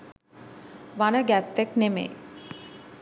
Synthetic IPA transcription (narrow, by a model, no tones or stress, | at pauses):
ʋanəɡæpːeknemḛː